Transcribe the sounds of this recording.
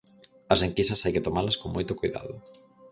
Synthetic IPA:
ɐseŋkisɐsajkɪt̪omalɐskoŋmojt̪okojða̰ðʊ

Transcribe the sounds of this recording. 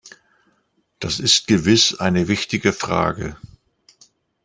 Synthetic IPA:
d̥asɪst̚ɡ̥əvɪsʔa̰ɪnəvɪçtɪɡəfʁ̥a̰ːɡə̰

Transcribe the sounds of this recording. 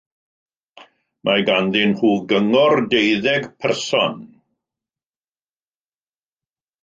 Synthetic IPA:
mʔaɡanðɪnhuːɡəŋɔrdejðɛɡpʰɛrsɔn

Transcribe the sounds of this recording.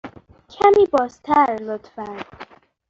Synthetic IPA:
kʲʰæmiːbɒːst̪ʰæɾlot̪fæn

